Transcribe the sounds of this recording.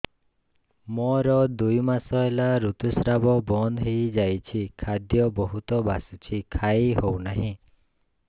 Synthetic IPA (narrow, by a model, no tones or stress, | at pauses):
mɔɾɔd̪ujmasɔelaɾut̪usɾabɔbɔnd̪ɦejd͡ʒajt͡ʃʰikʰad̪jɔbɔɦut̪ɔbasut͡ʃʰikʰajɦownaɦĩ